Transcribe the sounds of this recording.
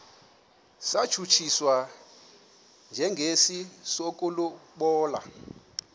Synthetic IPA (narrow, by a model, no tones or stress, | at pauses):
sḁt͡ʃʰut͡ʃʰiswa | nd͡ʒʱɛŋɡʱesisokʼuluɓɔːla̰